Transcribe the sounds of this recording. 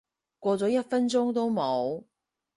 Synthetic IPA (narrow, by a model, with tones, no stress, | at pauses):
kʷɔː˧t͡sɔː˨˥jɐ˥t̚fɐ˥nt͡sʊ˥ŋt̪o˥wmo˨˥w